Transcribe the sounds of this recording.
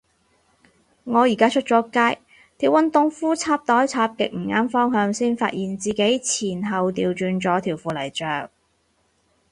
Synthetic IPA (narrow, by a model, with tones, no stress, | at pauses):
ŋɔː˨˧jiː˨˩kaː˥t͡ʃʰɵ˥t̚t͡sɔː˨˥kaː˥j | t̪ʰiː˨˩wɐ˨nt̪ʊ˨˧ŋfuː˥t͡sʰaː˧p̚t̪ɔː˨˥jt͡sʰaː˧p̚kɪ̰˨k̚m̩˨˩ŋaː˥nfɔː˥ŋɦœː˧ŋsiː˥nfa̰ː˧t̚jiː˨˩nt͡siː˨ke˨˥jt͡sʰiː˨˩nɦɐ˨wt̪iː˧wt͡ʃyː˨˧nt͡sɔː˨˥t̪ʰiː˨˩wfuː˨lɐ˨˩jt͡ʃœː˨ŋ̚